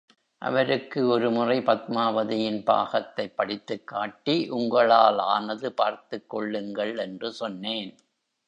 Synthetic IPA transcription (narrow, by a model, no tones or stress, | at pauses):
ʔɐ̰ʋɐɾɯkːɯɔɾɯmʊrɐɪpɐt̪̚maːʋɐðɪjɪnpa̰ːɣɐt̪ːɐɪpːɐɽɪt̪ːɯkːaːʈːiʔʊŋɡɐɭaːlaːnɐðɯpaːɾt̪ɯkːɔɭːɯŋɡɐɭɛndrɯsɔnːeːn